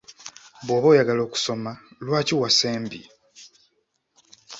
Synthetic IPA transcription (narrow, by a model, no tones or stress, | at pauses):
βoːβo̞ːjaɡalo̞ːku̥so̞malwaːciwaseːmbḭ